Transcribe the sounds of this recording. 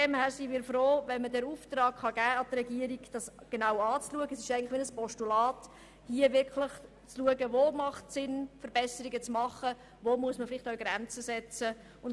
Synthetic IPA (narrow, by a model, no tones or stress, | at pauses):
dɛmhæːɾsinmiːɾfɾoːʋɛnmədɛːɾuːft̪ɾɑːkχɑɡæːɑd̪ərɛɡiəɾiɡd̥ɑsɡ̥enawɑːt͡sluəɡəsɪʃɛɪɡənləχʋɪnəspɔʃtulɑːt | hiəvɪɾkʰləχ | t͡sluəɡəʋomɑχtsɪnfəɾb̥ɛsəɾiɡət͡smɑχə | ʋomuəsməfɪlɪχtɔʊɡɾænt͡səsɛt͡sə | ʊn